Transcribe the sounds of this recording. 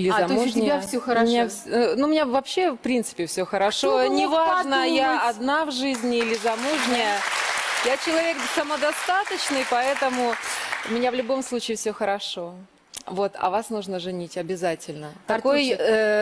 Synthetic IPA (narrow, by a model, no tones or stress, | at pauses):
ilʲɪzɐmuʐnɪɪjʲfsʲoxəmɪnʲafsnumʲɪnʲavɐpɕːe̞fpɾʲint̪sɨ̥pʲɪfsʲoxəɾɐʂo̞nʲɪvaʐnəəjaɐd̪navʐɨzʲnʲɪilʲɪzɐmuʐnʲɪjəjat͡ɕɪlˠɐvʲe̞ksəməd̪ɐst̪at̪ət͡ɕnɨjpɐɛt̪əmʊʊmʲɪnʲavlʲʊbo̞mslˠut͡ɕɪːfsʲɵxəɾɐʂo̞ | vo̞t̪ɐ̰vasnuʐnəʐɨnʲitʲɐbʲɪzatʲɪlʲnət̪ɐkoj